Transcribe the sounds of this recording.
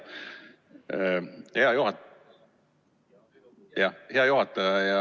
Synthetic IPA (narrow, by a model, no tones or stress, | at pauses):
heɑjuhɑ | jɑheɑjuɦɑt̪ːˑɑɑjɑ